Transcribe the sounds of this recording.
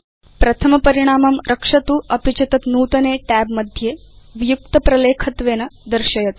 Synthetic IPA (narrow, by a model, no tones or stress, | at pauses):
pɾɐt̪ʰɐmɐpəɾiɽ̃aːmɐmɾʔɐkʂɐt̪uːʔɐpit͡ɕɐt̪ɐt̪nuːt̪ɐneːʈæbməd̪ʱje | ʋijuk̚t̪ɐpɾɐleːkʰɐt̪ʋeːnɐd̪əɾɕɐjɐt̪